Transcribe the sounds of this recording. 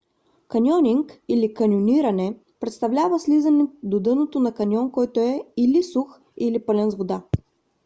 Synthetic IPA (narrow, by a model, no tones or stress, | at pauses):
kɐnʲɔnʲiŋkilikɐnʲjoniɾɐnɛ | pɾɛt̪st̪ɐvlʲavəslizənɛd̪od̪ɤnot̪onɐkɐnʲɔnkɔjt̪oɛilisux | ilipɤlɛnzvod̪a